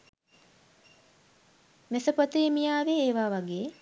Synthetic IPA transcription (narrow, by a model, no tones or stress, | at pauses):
mesəpət̪emijaːʋeeːʋaːʋaɡeː